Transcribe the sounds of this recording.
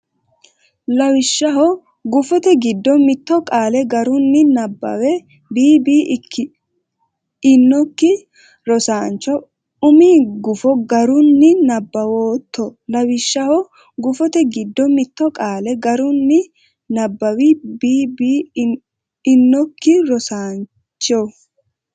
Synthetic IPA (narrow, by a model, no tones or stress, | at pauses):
lɐwɪʃːɐɦɔ | ɡʊfɔt̪ɛɡɪd̪ːɔmɪt̪ːɔkʼaːlɛɡɐɾʊnːɪnɐbːɐ̰wɛ | biːbiːkʰː | ɪnːɔkːɪ | ɾɔsaːnt͡ʃːɔ | ʊmiːɡʊfɔɡɐɾʊnːɪnɐbːɐwoːt̪ːɔlɐwɪʃːɐhɔ | ɡʊfɔt̪ɛɡɪd̪ːɔmɪt̪ːɔkʼaːlɛɡɐɾʊnːɪ | nɐbːɐwibiːbiː | nːɔkːɪɾɔsaːn | t͡ʃːɔ